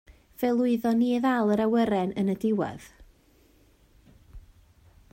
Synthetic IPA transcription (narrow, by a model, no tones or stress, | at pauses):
v̥ɛlˠʊɨðɔniðalˠəɾawəɾɛnʔənədɪwɛ̰ð̥